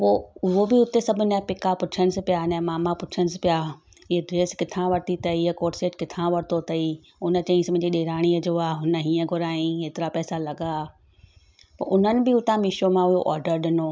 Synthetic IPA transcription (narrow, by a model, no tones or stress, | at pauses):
poːʊɦobɪʊt̪esɐbʱʊnəpɪkapʊt͡ɕʰəɽ̃ɪs̆pɪjanɛ̃maːmapʊt͡ɕʰəɽɪspɪja | ɪɦdɾeːskɪt̪ʰãʋɐɾt̪it̪ɐiɦəkoːʈseːʈkɪt̪ʰãʋɐɾɪt̪ʰot̪ɐi | ʊnə̆t͡ɕɐ̃ĩsm̃d͡ʑiɗeːɾaːɽ̃iɐd͡ʑoaːɦʊnəɦĩːə̃ɡʱʊɾaːĩɦeːt̪ɪɾapɛːsalɐɠa | pɐʔʊn̤ənɪ̆bɪʊt̪ʰãmɪʃomãʊɦoʔɔ̰ːɾɖəɾɗɪnoː